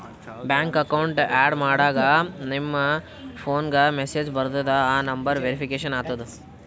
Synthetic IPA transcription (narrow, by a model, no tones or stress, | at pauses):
bjaːŋkɐkɐwɳʈaːɖmaːɽaːɡɐnimːɐ | pʰoːnɡɐmeseːd͡ʒbɐɾd̪ɐd̪ɐaːnɐmbɐɾʋeɾipʰikeːʃɐnaːt̪ɐd̪u